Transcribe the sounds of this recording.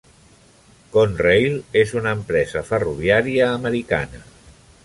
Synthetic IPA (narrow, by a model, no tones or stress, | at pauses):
konrejlezunəːmpɾɛzəfəruβ̞iaɾiəːməɾika̰nə